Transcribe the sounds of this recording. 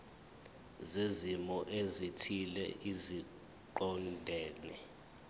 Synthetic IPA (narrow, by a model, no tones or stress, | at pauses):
zezimɔʔezitʰilɛ̰ʔizi | ǃɔndʱɛːnɛ